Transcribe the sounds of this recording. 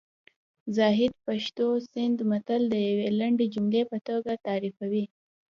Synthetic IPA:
zɑɦɪd̪̚paʃt̪osɪnd̪mat̪ald̪əjawelaɳɖed͡ʒumlepət̪oɡat̪ɑɾifawi

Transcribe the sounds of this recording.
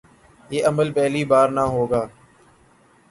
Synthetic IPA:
jeːʔəməlpɛɦliːbaːɾnaːɦoːɡaː

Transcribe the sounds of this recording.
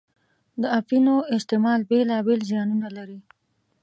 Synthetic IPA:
d̪əafinoɪst̪ɪmɑlbelɑbelzjɑnunalaɾi

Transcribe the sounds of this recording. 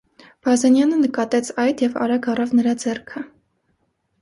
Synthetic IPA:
b̥ɑzɛnjɑnənəkɑt̪ɛt͡sʰɑjd̪jɛvɑ̰ɾɑɡɑrɑvnəɾɑd͡zɛrkʰə

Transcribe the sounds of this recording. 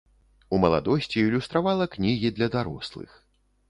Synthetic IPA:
umɐlˠa̰d̪ɔsʲt͡sʲiːlʲust̪ɾavalˠɐknʲiɣʲid̪lʲɐd̪aɾɔ̰slˠɨ̰x

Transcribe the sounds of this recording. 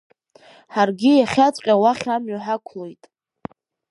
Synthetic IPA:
ħarɡʲijaχʲat͡sʷʼqʲʼawaχʲamɥoħakʷʰlo̞jtʼ

